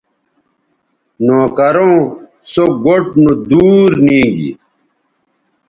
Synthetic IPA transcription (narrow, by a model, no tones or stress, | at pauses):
noːkɐɾõːsoɡoʈ̚nud̪uːɾnĩːŋɡḭ